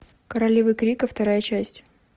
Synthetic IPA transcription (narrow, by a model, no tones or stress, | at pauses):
kəɾɐlʲivɨkɾʲikəft̪ɐɾajət͡ɕæsʲtʲ